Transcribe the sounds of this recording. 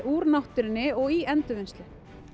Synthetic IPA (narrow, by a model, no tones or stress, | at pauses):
ʔuːɾnawht̪ʏɾɪnːɪɔɣiʔɛnt̪ʏvenst̪lɪ